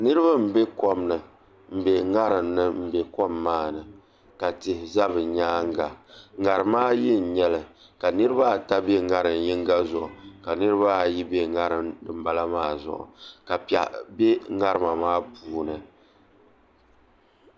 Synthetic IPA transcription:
nɨ˦ɾɨ˦βa˦m̩˨be˦ko˦mnɨ˨ | m̩˨be˨ŋa˦ɾɨ˨mnɨ˦m̩˦˨be˨ko˦mːaː˦˨nɨ˨ | ka˨tɪ˨hɪ˨za˦bɨ˨ɲaː˦ŋ˦ɡa˨ŋa˨ɾɨ˨maː˦ji˦n̩˨ɲɛ˦lɨ˨ | ka˨nɨ˦ɾɨ˦ba˦˨ta˦be˦ŋa˦ɾɨ˨mji˦ŋ˦ɡa˦zʊ˨ʔʊ˨ka˨nɨ˦ɾɨ˦ba˦ji˦be˦ŋa˦ɾɨ˨mdɨ˨m̩˦ba˦la˦maː˦˨zʊ̰˨ʔʊ̰˨ka˨pa̰˨be˦ŋa˦ɾɨ˨ma˨maː˦puː˨nɨ˨

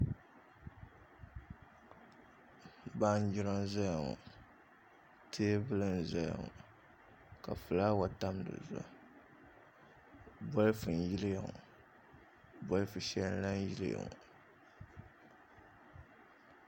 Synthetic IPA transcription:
ba˦n˦d͡ʒi˦ɾa˦m˦za˦ja˨ŋɔ̰˨ | tʰeː˦bɨ˦lɨ˦n˨za˦ja̰˨ŋɔ̰˨ | ka̰˨fɨ˨la˦wa˨ta˦mdɨ̰˨za˨ | bɔ˦lfɨ˨n˨ji˦lja˨ŋɔ˨ | bɔ˦lɨ˦fɨ˨ʃɛ˦n˦la˦n˦ji˦lɨ˦ja̰˨ŋɔ̰˨

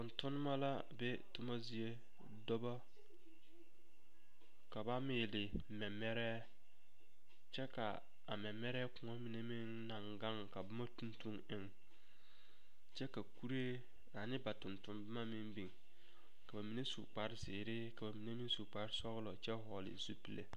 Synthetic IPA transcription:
tʊ˨ntʊ˦nɪ˦ma˦la˦ | bɛ˦tʊ˦ma˦zi˨e˦ | dɔ˦ba˦ | ka˨ba˦mɪː˨lɪ˨ | mɛ˨mɛ˦ɾɛː˦ | t͡ʃɛ˦ka̰˨ | a̰˨mɛ˨mɛ˦ɾɛː˦kʊ˨ŋɔ˦mi˨ne˦mi˦n | na˨ŋɡa˦ŋka˨bɪ˦ma˦tu˦ntu˦ŋɪ˦ŋ | t͡ʃɛ˦ka˨ku˦ɾe˦ | a˨nɪ˦ba˨tʊ˨ntʊ˨mbɪ˦ma˦mɪ˦mbi˨ŋ | ka˨ba˨mi˨ne˦su˨k͡pa˨ɾɪ˦sɪː˨ɾɪ˦ka˨ba˨mi˨ne˦mi˦n˦su˨k͡pa˨ɾɪ˦sɔ˦ɣlɔ˨t͡ʃɛ˦ɦɔ˨lɪ̰˨su˦pi˨lḛ˦

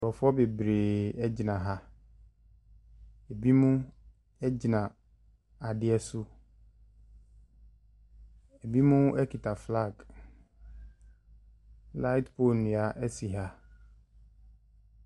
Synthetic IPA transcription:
bɔ˨fɔ˦be˨bɾe˨ɛ˦d͡ʑɪ˨nã˨ɦa˦ | e˨bi˦mũ˦ | ɛ˦d͡ʑi˨nã˨ | a˨dɪ˦ɛ˦sʊ˦ | e˨bi˦mũ˦ɛ˦kʰi˨tʰa˨fla˦˨ɡ | la˦ɪ˦tpʰo˦˨nʊ̃˨a˨ʔɛ˦si˨ɦa˦

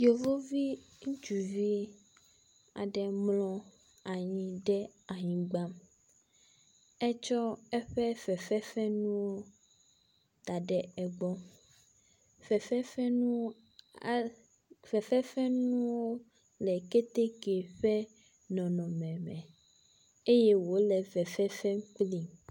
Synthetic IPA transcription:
jo˨vo˦vi˦ | ŋũ˦t͡ʃu˨vi˦ | a̰˨ɖɛ˨mlɔ̃˦ | a˨ɲĩ˦ɖɛ˦a˨ɲĩ˨ɡ͡ba˦m | ɛ˦t͡ʃɔ˦ɛ˦ɸɛ˦fɛ˨fɛ˦fɛ˦nũ˦wo˦ | t̪a˨ɖɛ˦ɛ˨ɡ͡bɔ˦ | vɛ˨fɛ˦fɛ˦nũ˦˨ | vɛ˨fɛ˦fɛ˦ñũ˦wo˦ | lɛ˨ke˦t̪e˦ke˨ɸɛ˦ | nɔ̃˨nɔ̃˨mɛ̃˨mɛ̃˨ | e˦je˦wo˨˦lɛ˨vɛ˨fɛ˦fɛ˦k͡pli˦

